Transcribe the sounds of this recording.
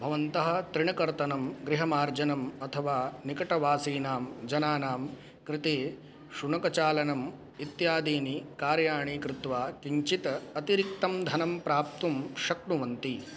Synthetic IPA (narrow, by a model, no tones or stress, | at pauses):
bʱɐʋɐnt̪ɐɦɐ̆t̪ɾɪɳɐkɐɾt̪ɐnɐmɡɾɪɦɐmaːɾd͡ʒɐnɐmɐt̪ʰɐʋaːnikɐʈɐʋaːsiːnaːmd͡ʒɐnaːnaːm | kɾɪt̪eː | ʃuɳɐkɐt͡ʃaːlɐnɐm | it̪jaːd̪iːnikaːɾjaːɳiːkɾɪt̪ʋaːkiɲt͡ʃit̪ɐɐt̪iɾik̚t̪ɐmd̪ʱɐnɐmpɾaːp̚t̪umʃɐkɳuʋɐnt̪i